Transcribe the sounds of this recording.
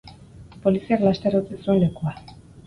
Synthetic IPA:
po̞lisiaɣlast̪eɾot͡sesue̞nle̞kua

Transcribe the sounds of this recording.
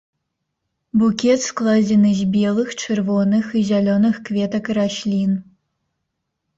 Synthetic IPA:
bukʲet̪sklˠadʲenɨzʲbʲelˠɨxt͡ʃʰɨrvonɨxɨzʲalʲonɨxkvʲet̪ɐkraɕlʲin

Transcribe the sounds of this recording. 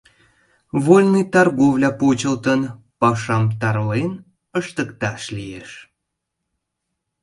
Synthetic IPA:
volʲnɨjt̪ɑrɣovlʲɑpot͡ɕəlˠt̪ən | pɑʃɑmt̪ɑrlen | əʃt̪əkt̪ɑʃlʲijeʃ

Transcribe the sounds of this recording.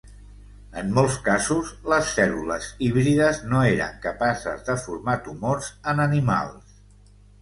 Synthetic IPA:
ənmolˠskazuzləsːɛluləziβɾiðəznoeɾə̰ŋkəpasə̰zðəfuɾmat̪umoɾzənənima̰lˠs

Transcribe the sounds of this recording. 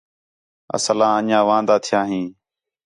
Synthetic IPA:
ə̰səlãːəɲãːʋãːnd̪aːt̪ʰɪjãːɦĩː

